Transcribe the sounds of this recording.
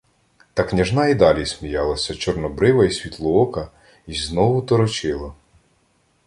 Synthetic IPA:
t̪ɑknʲɐʒnɑid̪ɑlʲismʲijɑlˠɐsʲɐt͡ʃɔrnɔbɾɪʋɐisʲʋʲit̪lˠʊɔkɐ | izznɔwʊt̪ɔɾɔt͡ʃɪlˠɐ

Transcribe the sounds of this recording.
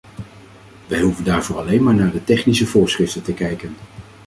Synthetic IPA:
ʋɛjɦuvəndaːɹvʊːɹɑlejnmaːɹnaːɹdətɛχnisəvʊːɹsχrɪftəntəkɛjkən

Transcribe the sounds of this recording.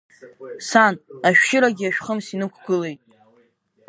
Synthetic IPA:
sanaʃᶣʃɪɾaɡʲɪaʃᶣχəmsinɨkʷʰɡɨle̞jtʼ

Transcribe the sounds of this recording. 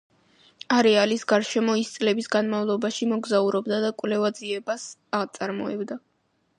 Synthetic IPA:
aɾɛalisɡaɾʃɛmɔist̪sʼlɛbisɡanmavlˠɔbaʃimɔɡzauɾɔbd̪ad̪akʼvlɛvad̪ziɛbasaʁt̪sʼaɾmɔ̰ɛbd̪a

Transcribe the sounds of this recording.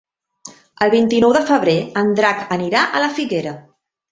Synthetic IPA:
əlˠβint̪inɔwðəfəβɾeənd̪ɾakəniɾaʔələfiɣeɾə

